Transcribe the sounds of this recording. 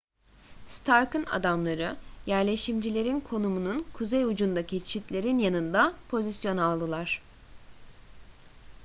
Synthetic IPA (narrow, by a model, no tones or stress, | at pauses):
st̪ʰaɾkɯna̰d̪amlˠaɾɯjæɾlʲe̞ʃimd͡ʒilʲe̞ɾinkʰo̞numununkʰuzejud͡ʒund̪acʰit͡ʃʰit̪lʲe̞ɾinjanɯnd̪apʰo̞zisjo̞nalˠd̪ɯlˠaɾ̥